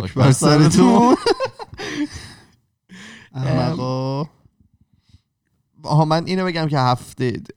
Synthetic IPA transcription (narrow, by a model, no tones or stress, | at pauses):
ʃbæɾsæɾet̪ʰun | æmæɣɔ | ɦɒːmænʔiːnobe̞ɟæmcʰe̞ɦæft̪e